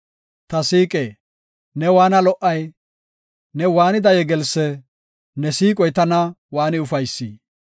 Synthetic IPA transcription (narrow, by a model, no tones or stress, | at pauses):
t̪ɐsiːkʼeː | nɛwaːnɐlɔʔɐj | nɛwaːnɪd̪ɐjɛɡɛlsːɛ | nɛsiːkʼɔjt̪ɐnɐwaːnɪʊfɐjsːiː